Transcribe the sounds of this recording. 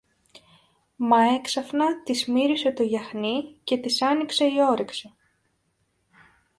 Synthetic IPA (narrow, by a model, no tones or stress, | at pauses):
mɐe̞ksɐfnɐt̪izmiɾise̞t̪o̞ʝɐxnice̞t̪isɐnikse̞io̞ɾiksi